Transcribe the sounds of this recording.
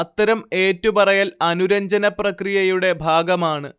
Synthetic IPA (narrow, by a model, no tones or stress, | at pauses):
ɐt̪ːɐɾɐme̞ːtːupɐrɐjalɐnuɾɐɲd͡ʑɐnɐprɐkrijɐjuɽe̞bʱaːɡɐmaːɳɨ